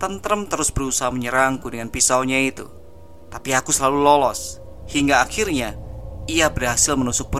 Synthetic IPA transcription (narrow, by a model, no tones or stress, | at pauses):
t̪ənt̪əɾəmt̪əɾʊsbəɾusaɦaməɲəɾaŋkudəŋanpisaoɲait̪ṵ | t̪apiakusəlalulɔlɔs | hiŋɡaːxirɲaiabədɦasɪlmənusʊk̚bə